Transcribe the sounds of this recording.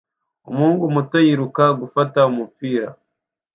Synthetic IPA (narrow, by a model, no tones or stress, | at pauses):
o̰muːŋɡumutojiɾukaɡufataumupiːɾa̰